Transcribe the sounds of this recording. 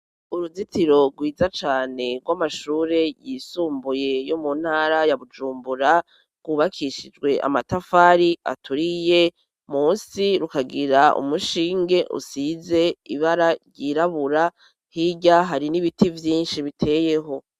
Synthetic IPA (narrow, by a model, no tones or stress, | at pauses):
uɾuzitiɾo̞ɾɡwiːzat͡ʃaːne̞ɡɡwamaʃuːɾe̞jisuːmbuje̞jomun̥haːɾajaβud͡ʒuːmbuɾa | ɡ̥wuβakʰiʃid͡ʒɡwe̞ʔa̰matafaːɾia̰tʰuɾije̞ | muːsiɾukaɡiɾaṵmuʃiːŋɡe̞ʔṵsize̞iβaɾaɾɟiɾaβuɾa | hiɟaɦaɾiniβitivjiːnʃiβitʰe̞ːje̞ɦo̞